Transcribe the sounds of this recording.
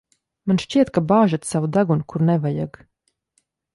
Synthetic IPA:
manʃt͡ʃiɛt̪̚kabaːʒat̪savud̪aɡunkʰuɾnɛvaja̰ɡ

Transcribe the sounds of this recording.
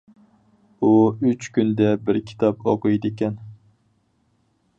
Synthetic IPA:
uyt͡ʃkʲynd̪ɛbɪɾkʲʰi̥t̪ʰɑpoqɨjd̪ɪkʲɛn

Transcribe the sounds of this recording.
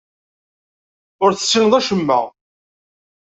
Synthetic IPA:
ʊɾθə̥sːinðˤæʃəmːə̰

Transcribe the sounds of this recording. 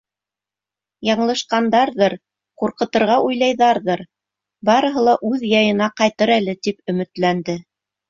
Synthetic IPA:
jɑɴlˠɤ̆ʃqɑnd̪ɑɾðɤɾ | quɾqɤ̆t̪ɤ̆ɾʁɑʔujlˠɑjðɑɾðɤɾ | bɑɾɤ̆ɦɤlˠɑʔʉðjɑjɤ̆nɑqɑjt̪ɤɾælɘt̪ipɵ̆mɘ̆t̪lænd̪ɘ

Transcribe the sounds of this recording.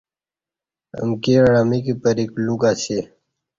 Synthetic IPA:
ə̰mkeɽamikipəɾikluɡaːse

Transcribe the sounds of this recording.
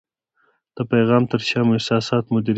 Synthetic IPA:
d̪̥əpajɣɑːmt̪əɾʃɑmʊɪhsɑːsɑːt̪mʊd̪iɾ

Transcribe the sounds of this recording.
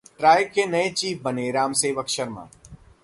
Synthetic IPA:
ʈɾaːjɪkːenɐet͡ʃiːfbɐneɾaːmseːʋɐkʃəɾmã̰ː

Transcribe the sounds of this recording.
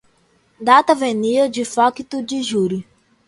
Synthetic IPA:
d̪at̪ɐveniɐd͡ʒifɔkit̪ud͡ʒiʒuɾi

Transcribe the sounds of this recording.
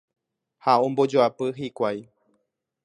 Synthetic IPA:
haõmbo̞d͡ʒoapɨɦikʷaj

